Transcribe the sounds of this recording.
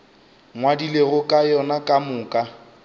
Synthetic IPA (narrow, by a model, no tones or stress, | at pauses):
ŋwadileɣʊkʼajɔnakʼamʊːkʼa